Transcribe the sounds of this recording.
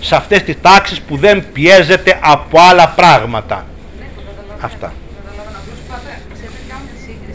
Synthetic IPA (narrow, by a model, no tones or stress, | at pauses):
sɐft̪e̞st̪ist̪ɐksispuðe̞mpie̞ze̞t̪e̞ʔɐpoɐlɐpɾɐɣmɐt̪ɐ̰ | ɐft̪ɐ̰